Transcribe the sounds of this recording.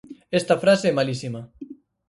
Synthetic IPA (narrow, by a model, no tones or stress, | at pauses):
ɛst̪ɐfɾaseɛmalisimɐ